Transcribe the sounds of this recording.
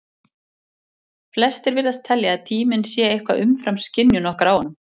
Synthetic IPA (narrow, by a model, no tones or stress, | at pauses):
flɛst̪ɛɾvɪɾðast̪ʰɛljaːðt̪ʰiːmɪnsjɛːejhkva̰ʔʏmfɾamscɪnjʏnɔhkɾaːwanʏm